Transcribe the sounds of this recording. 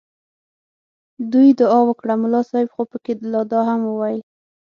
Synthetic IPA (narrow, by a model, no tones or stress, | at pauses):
d̪ujd̪ʊɑwəkɽamʊlɑsɑhɪbxopəkelɑd̪ɑɦamwəwajəl